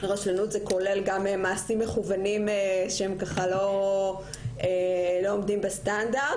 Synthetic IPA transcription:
ʁaʃlanutzeko̞le̞lɡamemaːsimːeχuvanimeʃehemkaχalo̞ | elo̞omdimbestanda

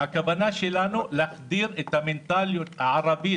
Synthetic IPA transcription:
akabanaʃilanulaxd̪iːɾɪt̪ːamɪnt̪aljoʕɑɾˤɑbi

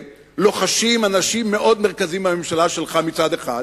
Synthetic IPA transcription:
lo̞χaʃimanaʃimːe̞ʔo̞d̪meʁkazimbame̞mʃalaʃelχamit͡sad̪e̞χa̰d̪

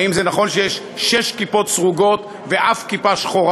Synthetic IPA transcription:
imzenaχo̞nʃejeʃ | ʃeʃkipo̞t̪sʁuɡo̞t̪ | veʔafkipaʃχoʁ

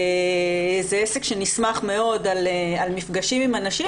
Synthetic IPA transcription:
zeesekʃenismaχme̞o̞dalealmifɡaʃimimanaʃi

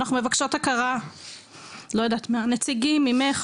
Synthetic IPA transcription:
naχnumevakʃo̞t̪hakaʁa | lo̞jad̪at̪manet͡siɡimimeχ

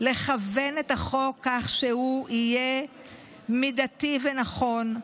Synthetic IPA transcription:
le̞χavenetaχo̞kʰːaχʃehuije | midativenaχo̞n

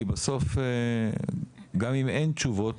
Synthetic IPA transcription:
baso̞fe | ɡamiment͡ʃuvo̞t

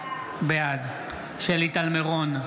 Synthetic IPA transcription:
bead̪ | ʃelit̪almeʁon

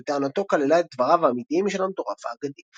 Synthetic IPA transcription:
et̪eanat̪o̞kalelaet̪̚d̪vaʁaveamit̪iimiʃelamt̪oʁafa̰ːɡad̪i

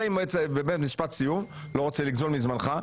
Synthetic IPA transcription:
imoet͡sbebeet̪miʃpat̪sijum | lo̞ʁot͡seliɡzolmizmanχa

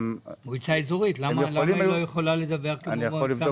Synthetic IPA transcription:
uit͡saizoʁitlamalamailojeχolaled̪abe̞ʁkenmola

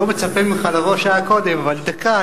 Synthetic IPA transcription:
omet͡sapemeχalaʁoʃaakod̪emavald̪aka

